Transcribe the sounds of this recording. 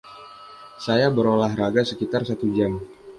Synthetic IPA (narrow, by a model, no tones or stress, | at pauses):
sajabəɾolaɦraɡasəkit̪arsat̪ud͡ʒam